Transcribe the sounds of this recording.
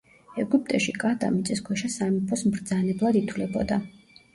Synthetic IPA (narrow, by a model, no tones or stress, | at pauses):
ɛɡupʼt̪ʼɛʃikʼat̪ʼa̰mit̪sʼiskʰwɛʃasamipʰɔsmɾd̪zanɛblˠad̪it̪ʰwlɛbɔd̪a